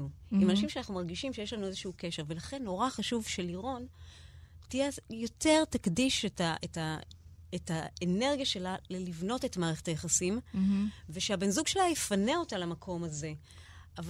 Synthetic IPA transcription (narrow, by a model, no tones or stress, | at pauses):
uimanaʃimʃeanaχnumaʁɡiʃimʃejeʃlanuezeʃuukeʃe̞ʁve̞laχe̞nːo̞ʁaχaʃuvʃe̞liʁo̞n | tijejo̞te̞ʁtakdiʃetaʔetaetaene̞ʁɡijaʃe̞lalelivno̞te̞tmaːʁe̞χetajaχasim | veʃeabenzuɡʃelajifaneo̞talamakʰo̞maze̞ | av